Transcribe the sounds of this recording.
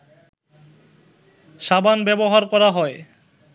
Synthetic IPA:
ʃabanbɛboɦaɾkɔɾaɦɔe

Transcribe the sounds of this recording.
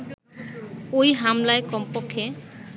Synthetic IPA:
ojɦamlaekɔmpokʰːe

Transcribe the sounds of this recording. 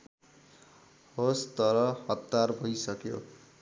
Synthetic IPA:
host̪ʌɾʌhʌt̪ːarbʱʌjsʌkjo̰

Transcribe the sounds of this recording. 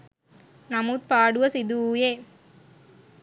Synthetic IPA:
nɐmut̪̚paːɽɯʋɐsɪd̪ujeː

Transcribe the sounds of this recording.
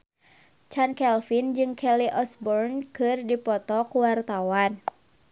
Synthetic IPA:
t͡ʃankɛlfind͡ʒɨŋkʰɛliʔɔsbɔrnkɨrdipɔt̪ɔkuwart̪awan

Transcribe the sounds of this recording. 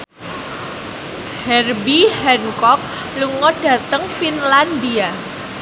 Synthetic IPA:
hɛrbihɛnkɔk̚ | luŋɔd̥a̤t̪əŋfinlandia

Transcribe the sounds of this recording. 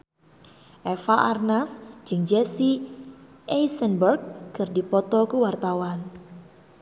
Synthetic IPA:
ʔɛfaʔarnasd͡ʒɨŋd͡ʒɛsi | ʔɛjsənbɛrk̚ːkɨrdipɔt̪ɔkuwart̪awan

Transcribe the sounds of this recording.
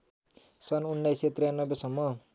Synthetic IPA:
sʌnunːajset̪rijanːʌbesʌmːʌ

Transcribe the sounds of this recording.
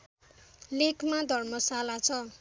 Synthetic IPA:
lekmad̪ʱʌrmʌsalat͡sʰʌ

